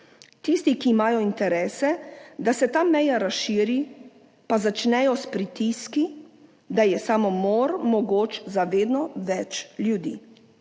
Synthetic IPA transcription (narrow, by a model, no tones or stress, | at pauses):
t̪ist̪ikiːmaːjɔint̪ɛɾɛːsɛd̪asɛt̪aːmɛjaɾasʃiːɾi | pazat͡ʃnɛjɔspɾit̪iski | d̪ajɛsaːmɔmoːɾmɔɡoːt͡ʃzaʋeːd̪nɔʋɛt͡ʃljud̪ḭː